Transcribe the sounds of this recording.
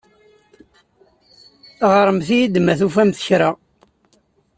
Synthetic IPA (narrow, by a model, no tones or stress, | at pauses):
ʁɾˤəmθijid̪mæθufæmθə̥çɾa